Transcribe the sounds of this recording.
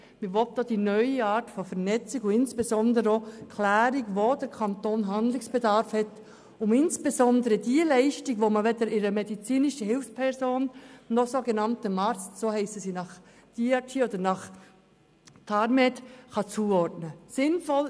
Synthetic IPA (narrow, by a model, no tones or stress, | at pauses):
mɪʋɔt̚dod̥inœʏiɑːɾtfɔfɛɾnɛt͡siɡʊɪnsb̥ezɔnd̪əɾəokʰlæːɾiɡʋod̥əɾkʰɑnt̪oːnɦɑnd̪lɪksb̥edɑɾfhɛt | ʊmɪnsb̥ezɔnd̪əɾədiəlɛɪʃtiɡʋoməʋɛdəɾɪɾəmɛdit͡siːniʃəhɪlfspʰɛɾsoːnːɔsoɡenɑntəmɑɾt͡stsoːhɛɪsəsinɑχ | d̥iɑtʰiːod̪əɾnɑχ | tʰɑɾmɛtχɑt͡suːɔɾdnəsɪnfɔl